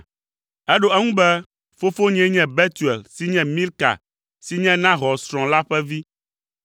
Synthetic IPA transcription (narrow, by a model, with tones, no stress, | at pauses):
ɛ˦ɖo˦˨ɛ˦ŋũ˦bɛ˦ | fo˦fo˦ɲɛ̃˦ɲɛ̃˦bɛ˦t̪u˨ɛ˨lsi˦ɲɛ̃˦mĩ˦lka̰˨ | si˦ɲɛ̃˦nã˦ɦɔ˨sɾɔ̃˨la˦ɸɛ˦vi˦